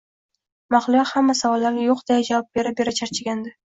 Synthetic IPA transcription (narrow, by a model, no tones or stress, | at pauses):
maχlˠʊjahamːasavɒlːaɾnʲɪjoqd̪̥ajad͡ʒavɒp̚be̞ɾabe̞ɾat͡ʃʰaɾt͡ʃʰɪɡʲand̪ɪ